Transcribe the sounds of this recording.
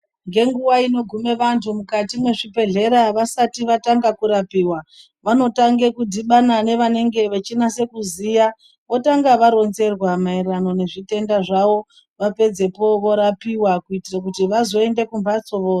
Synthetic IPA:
ŋɡe̞ŋɡuwaino̞ɡʱume̞ʋantʰumukatimwe̞ʐibe̞ɮe̞ɾaʋasatiʋataŋɡakuɾapiːwa | ʋano̞taŋɡe̞kudʱiɓanane̞ʋane̞ŋɡe̞ʋet͡ʃinase̞kuziːja | ʋo̞taŋɡaʋaɾo̞nze̞rwamairano̞ne̞ʐite̞ndaʐaʋo̞ | ʋape̞d͡ze̞po̞ʋo̞ɾapiwakuitirak̬utiʋazo̞e̞nde̞kumbat͡so̞ʋoːa

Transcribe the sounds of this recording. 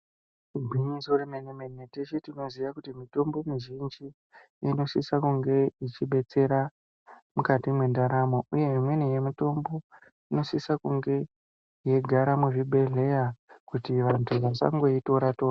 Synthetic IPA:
iɡʱwiɲisoremenemeneteʃetino̞ziʋakutimito̞mbo̞miʒind͡ʒi | ino̞sisakuŋɡe̞it͡ʃiɓe̞t͡se̞ɾa | mukatimwendaɾamo̞ʔuje̞imwe̞nije̞muto̞mbo̞ | ino̞sisakuŋɡe̞ | je̞ɡʱaɾamuʐiɓe̞ɮe̞jakutiʋantʰuʋasa̰ŋɡo̞ito̞ɾato̞ːra

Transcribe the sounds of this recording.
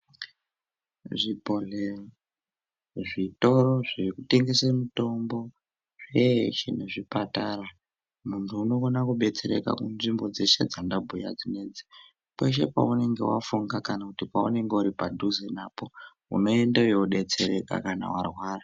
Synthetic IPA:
ʐipo̞ɮe | ʐito̞ɾo̞ʐikute̞ŋɡe̞semuto̞mbo̞ | ʐeʃḛne̞ʐipataɾa | muntʰuːno̞konakuɓe̞t͡se̞ɾḛka̰kunʐimbo̞d͡ze̞se̞d͡zandabʱuja̰d͡zine̞d͡zi | kwe̞ʃ̬e̞pa̰une̞ŋɡe̞̰wafuŋɡakanakutipaṵne̞ŋɡeuɾipadʱuzenaːpo̞ | ṵno̞e̞ndewjeuɗe̞t͡se̞ɾe̞ka̰kana̰warwaːra

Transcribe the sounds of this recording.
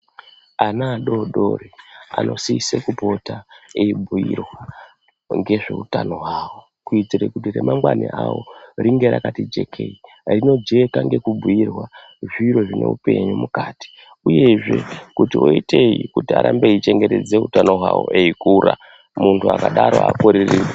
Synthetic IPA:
anaːɗo̞ɗorea̰no̞̰sisekupo̞taeibʱuirwa | ŋɡe̞ʐe̞utano̞ɦwaːwo | kuid͡ziɾekutiremʔamɡwaniʔawo̞̰riŋɡe̞ɾakatid͡ʒe̞kʰe̞i | rino̞d͡ʒe̞kaŋɡe̞kubʱujirwa | ʐiɾo̞ʐine̞̰upe̞ɲumukaːti̥ | uje̞ʐe̞kutio̞ite̞jikutia̰ɾʔambe̞it͡ʃe̞ŋɡe̞te̞d͡ze̞utano̞ɦwawo̞̰ʔeikuɾa̰ | muntʰuakaɗaɾo̞a̰koɾirire

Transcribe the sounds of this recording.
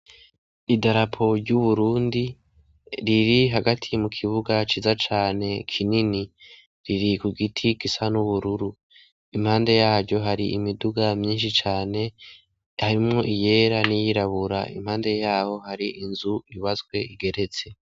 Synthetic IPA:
idaɾapʰo̞ɾɟuβuɾuːndi | ɾiɾiɦaɡatʰimukʰiβuɡat͡ʃiːzat͡ʃaːne̞kʰinini | ɾiɾikuɡitʰikisanuβuɾuɾu | imhaːnde̞jaːɾɟo̞ɦaɾiʔimiduɡamɲiːnʃit͡ʃaːne̞ | haɾimŋo̞ʔije̞ɾanijiɾaβuɾa̰ḭmhaːnde̞jaːho̞haɾiʔinzuiβazɡwe̞iɡe̞ɾe̞t͡se̞

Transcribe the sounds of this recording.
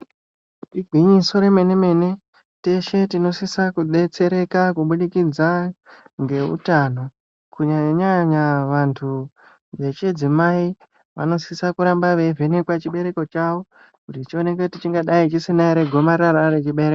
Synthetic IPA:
iɡʱwiɲiso̞ɾe̞me̞neme̞ne | te̞ʃe̞tino̞sisakuɓet͡se̞ɾe̞kakuɓuɗikid͡zaŋɡe̞ṵtano̞ | kuɲaɲaɲaʋantʰu | ʋe̞t͡ʃed͡zimai | ʋa̰no̞sisakuɾambaʋe̞vʱe̞nekwat͡ʃiɓe̞ɾe̞ko̞t͡ʃawo̞ | kutit͡ʃio̞nekeutit͡ʃiŋɡaɗait͡ʃisinaiɾe̞ɡʱo̞maɾaɾaret͡ʃiɓe̞ɾek

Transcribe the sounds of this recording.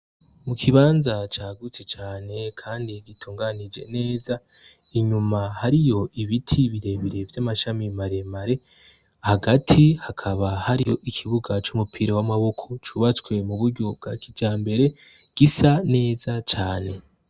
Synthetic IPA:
mukʰiβaːnzat͡ʃaːɡut͡set͡ʃaːne̞kʰaːndiɡitʰuːŋɡanid͡ʒe̞̰ne̞ːza | iɲumahaɾijo̞iβitʰiβiɾe̞βiɾe̞vjamaʃamimaɾemaɾe̞ | haɡatʰihakʰaβahaɾijo̞ʔikʰiβuɡat͡ʃumupʰiɾewamaβo̞kʰo̞t͡ʃuβat͡swe̞muβuɾɟo̞b̚ɡakid͡ʒaːmbe̞ɾe̞ | ɡ̥isane̞ːzat͡ʃaːne̞

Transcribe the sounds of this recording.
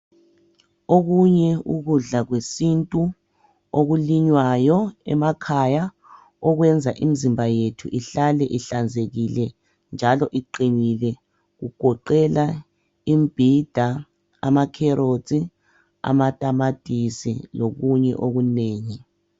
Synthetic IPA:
oɣuɲɛuɣuɮaɣwesintʼu | oɣuliɲwajɔɛ̰makʰaja | ɔɣwɛnd͡zʱaʔimizimbʱajetʰuʔiɬalɛʔiɬand͡zʱeɣilɛ | nd͡ʒʱalɔʔiǃinilɛ | ɣuɡ̥ʱɔǃɛla | imb̥ʱid̥ʱa | a̰makʰɛɾozʼi | a̰matʼamatʼisḭloɣuɲɛ̰ʔoɣuneːŋi

